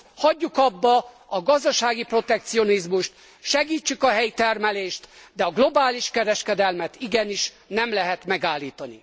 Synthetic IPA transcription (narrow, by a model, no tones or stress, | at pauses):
hɒɟːukɒbːɒ | ɒɡɒzd̪ɒʃaːɡipro̞t̪ɛk̚t̪sio̞nizmuʃt̪ | ʃɛɡiːt͡ʃːykɒɦɛjt̪ɛrmɛleːʃt̪d̪ɛɒɡlo̞baːliʃkɛɾɛʃkɛd̪ɛlmɛt̪iɡɛniʃ | nɛmlɛɦɛt̪mɛɡaːlːiːt̪ɒnḭ